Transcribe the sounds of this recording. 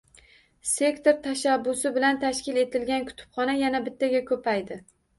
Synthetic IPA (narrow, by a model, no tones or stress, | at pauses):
se̞kt̪oɾt̪ʰaʃabːʊsɪbɪlant̪ʰaʃkʲɪle̞t̪ʰɪlɡʲankʰʊ̥t̪ʰʊ̥pχɒnajanabɪt̪ʰːaɡʲakʰɵpʰajd̪ɪ